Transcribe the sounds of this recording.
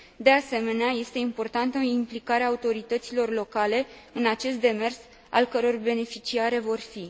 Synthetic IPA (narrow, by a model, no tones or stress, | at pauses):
d̪e̞ase̞me̞neaje̞st̪e̞impo̞rt̪ant̪əimplikaɾeaːut̪o̞ɾit̪ət̪silo̞rlo̞kale̞ɨnat͡ʃe̞st̪d̪e̞me̞rs | a̰lkəɾo̞rbe̞ne̞fit͡ʃiaɾe̞vo̞rfi